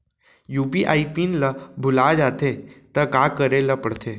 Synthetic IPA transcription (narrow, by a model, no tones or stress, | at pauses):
juːbiʔaːipinləbʱʊlad͡ʒaːt̪ʰet̪əkaːkəɾeləpəɽt̪ʰeː